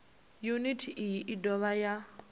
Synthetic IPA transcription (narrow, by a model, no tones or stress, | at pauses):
junitʰiʔiʔidɔβaja